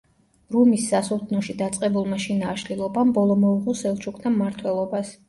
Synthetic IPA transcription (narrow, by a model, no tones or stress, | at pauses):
ɾumisːasult̪ʰnɔʃid̪at̪sʼqʼɛbulˠmaʃinaːʃlilˠɔbambɔlˠɔmɔuʁɔsɛlˠt͡ʃʰukʰnʰamːaɾt̪ʰwɛlˠɔbas